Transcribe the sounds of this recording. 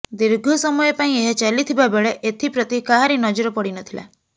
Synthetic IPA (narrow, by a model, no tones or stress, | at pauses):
d̪iɾɡʱɔsɔmɔjepaĩeɦɔt͡ʃalit̪ʰibabeɭeʔet̪ʰipɾɔt̪ikaɦaɾinɔd͡ʒɔɾɔpɔɽinɔt̪ʰila̰